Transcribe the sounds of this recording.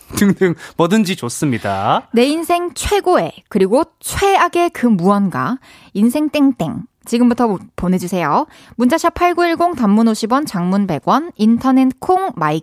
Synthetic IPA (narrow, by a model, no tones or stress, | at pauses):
tɯŋdɯŋmʌdɯnd͡ʑit͡ɕos͈ɯmɲidane̞insʰe̞ŋt͡ɕʰwe̞ɡoe̞kɯɾiɡot͡ɕʰwe̞aɡe̞kɯmuʌnɡwa̰ | insʰe̞ŋt͈eŋt͈e̞̰ŋ | t͡ɕiɡɯmbutʰʌpone̞d͡ʑusʰe̞jo | mund͡ʑaɕʰapʰaɭɡoiɭɡoŋtamːunoɕʰibwʌnt͡ɕaŋmunbe̞ɡwʌnintʰʌne̞tkʰoŋmaik